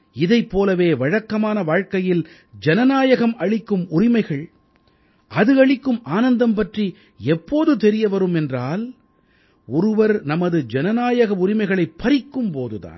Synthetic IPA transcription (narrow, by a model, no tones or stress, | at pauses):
ɪðɐɪpːoːlɐʋeːʋɐɻɐkːɐmaːnɐʋaːɻkɐjɪl | d͡ʒɛnɐnaːjɐɣɐmʔɐɻɪkːɯmʊrɪmɐɪɣɐɭ | ʔɐðɯɐɻɪkːɯmaːnɐnd̪ɐmpɐʈri | ɛpːoːðɯt̪ɛɾɪjɐʋɐɾɯmɛndraːl | ɔɾɯʋɐɾnɐmɐðɯd͡ʒɛnɐnaːjɐɣɐʊɾɪmɐɪɣɐɭɐɪpːɐɾɪkːɯmpoːðɯða̰ːn